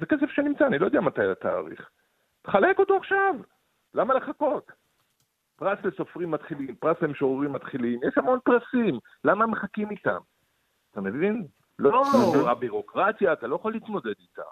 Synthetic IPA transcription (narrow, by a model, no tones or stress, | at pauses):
zeke̞se̞fʃenimt͡saːnilojdɛamat̪ajat̪a̰ːʁḭχ | te̥χale̞ko̞to̞aχʃav | lamale̞χako̞t̪ | pʁasle̞so̞fʁimːat̪χilimpʁaslemʃoʁʁimːat̪χilimjeʃhamonpʁasim | lamame̞χakimit̪a̰m | at̪ame̞vin | loabiʁo̞kʁat̪jaːt̪alojaχolːiːtmo̞de̞d̪it̪a̰m